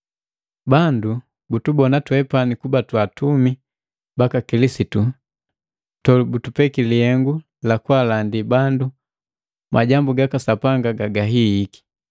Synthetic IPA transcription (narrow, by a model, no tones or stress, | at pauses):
bandu | butubɔnatwɛpanikubatwatumi | bakakilisitu | tɔlbutupɛkilihɛŋɡu | lakwalandibandu | mʔaɟambuɡakasapaŋɡaɡaɡaɦiiki̥